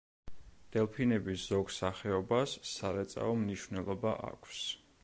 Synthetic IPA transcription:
d̪̥ɛlˠpʰinɛbisz̥ɔɡsaχɛɔbasːaɾɛt̪sʼa̰ɔmniʃvnɛlˠɔbaʔa̰kʰs

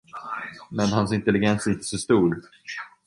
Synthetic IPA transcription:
mɛnɦansɪnt̪ɛlɪɡɛnsɪnt̪ə̥sɔst̪uːɾ

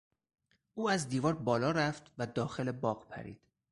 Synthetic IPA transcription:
ʔuːæzd̪iːvɒːɾbɒːlɒːɾæft̪ʰvæd̪ɒːxelebɒːɢpʰæ̰ɾḭːd̪̥

